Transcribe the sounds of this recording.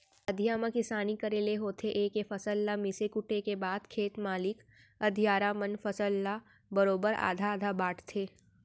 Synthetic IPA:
ɐd̪ʱijaːmə̃kɪsaːnikəɾeːleɦoːt̪ʰeʔeːkefɐsəlːamɪsekʊʈʰekebaːd̪kʰeːt̪maːlɪk | ɐd̪ʱijaːɾamənfɐsəlːa | bəɾoːbəɾa̰ːd̪ʱaːd̪ʱabaːʈʰt̪ʰeː

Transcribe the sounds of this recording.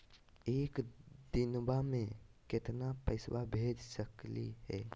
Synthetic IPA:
ekd̪inbamẽket̪napə̰ɪswabʱed͡ʒsəklḭɦɛ̰

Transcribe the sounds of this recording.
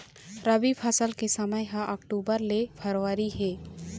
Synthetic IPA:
ɾəbipʰasəlkesəməjɦãʔəkʈuːbəɾlepʰəɾwaɾiɦeː

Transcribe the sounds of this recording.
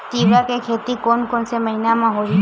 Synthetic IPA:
t̪iwakekʰet̪ikonkonseməɦinamãɦod͡ʒi

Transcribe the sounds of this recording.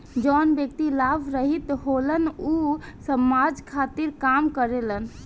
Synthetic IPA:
d͡ʒɔnbjəkt̪ilabʱɾəɦit̪ɦolənusəmad͡ʒkʰat̪iɾkamkəɾelən

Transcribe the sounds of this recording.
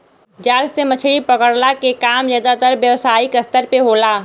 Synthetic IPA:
d͡ʒaːlsemət͡ʃʰɽipɐkəɽlakekaːmzaːd̪at̪əɾʋjəʋsaːikɐst̪əɾpeɦoːlaː

